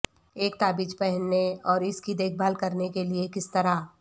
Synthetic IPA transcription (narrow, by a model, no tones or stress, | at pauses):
eːk̚t̪aːbiːt͡ʃpɛɦnːeɔːɾɪskid̪eːk̚ʰbʱaːlkɐɾnekeliekɪst̪ɐɾa